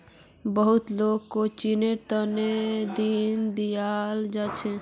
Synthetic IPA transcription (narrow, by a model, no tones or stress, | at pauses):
bəɦut̪loɡkot͡ʃinet̪əned̪ind̪ijald͡ʒat͡ʃʰɛ